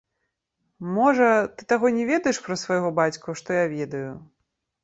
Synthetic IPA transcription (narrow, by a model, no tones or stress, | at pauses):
mɔʐɐt̪ɨt̪aɣɔnʲɛvʲɛd̪ɐjɛʂpɾɐsvɐjɣɔbat͡sʲkuʂt̪ɔjavʲɛd̪ɐju